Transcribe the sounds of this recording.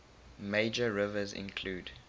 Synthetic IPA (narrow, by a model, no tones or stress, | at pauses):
meɪd͡ʒəɹɪvəzɪ̰̃nkʰl̥uːd